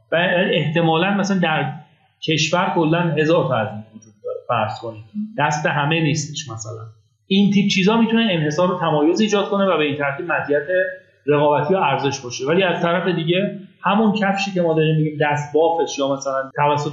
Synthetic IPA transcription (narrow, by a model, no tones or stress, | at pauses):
væieht̪e̞mɒːlænmæsæænd̪æɾ | cʰe̞ʃvæɾkʰo̞lːænɦe̞zɒːɾt̪ʰɒæzinvod͡ʒuːd̪̚ːɒːɾefæɾz̥kʰo̞niːmd̪̥æst̪e̞ɦæmeniːst̪ʰeʃmæsælæ̰n | iːnt̪ʰiːb̚t͡ʃʰiːzɒːmit̪ʰuneenhe̞sɒːɾːot̪ʰæmɒːjo̞ziːd͡ʒɒːd̪̥̚ko̞ne̞væbe̞iːnt̪ʰæɾt̪ʰiːb̥̚mæt̪ʰiːæt̪ʰe̞ | ɾe̞ɣɒːbæt̪ʰijɒæɾze̞ʃbɒːʃevæliːæzt̪ʰæɾæfe̞d̪iːɟe̞hæmuncʰæfʃiːce̞mɒːd̪ɒːɾiːmːiɟiːmd̪æst̪̚bɒːfe̞ʃjɒːmæsælænt̪ʰævæsːo